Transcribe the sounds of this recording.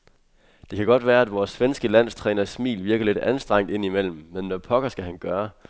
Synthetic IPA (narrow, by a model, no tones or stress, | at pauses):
d̥e̝kʰæɡ̥ɒ̽d̥ʋæːɐæd̥ʋɒːsːʋensɡ̥əlæn̰st͡sʰʁɛːnɐsmḭːlʋiɐɡ̥ɐle̝d̥ænsd̥ʁɑŋ̰d̥e̝n̰imel̰m̩ːenːɒpʰɒ̽ɡ̥ɐsɡ̥æɦænɡ̥ɶːɐ